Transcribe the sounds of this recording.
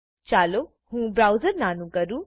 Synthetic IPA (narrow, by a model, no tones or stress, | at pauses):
t͡ʃaːlo | hũːbɾaːwzəɾnaːnũkɐɾuː